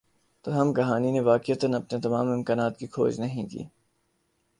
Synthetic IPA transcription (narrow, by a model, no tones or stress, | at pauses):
t̪ɐɦɐmɡɐɦaːnineʋaːkɪət̪ənɐpnet̪ɐmaːmɪmkaːnaːt̪kikʰo̰ːd͡ʒnɐɦĩkḭː